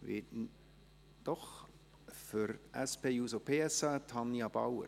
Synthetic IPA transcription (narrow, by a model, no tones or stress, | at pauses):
vɪ̰t | d̥ɔχ | fʏɾʔɛspeːjuːzopʰeːɛsɑtʰɑnjɑb̥a̰wə̰